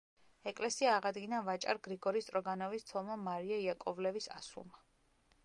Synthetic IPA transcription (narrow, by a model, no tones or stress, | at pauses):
ɛkʼlɛsiaːʁad̪ɡinavat͡ʃʼa̰ɾɡɾiɡɔɾist̪ʼɾɔɡanɔvist̪sʰɔmamaɾiaiakʼɔvlɛvisa̰sṵlˠma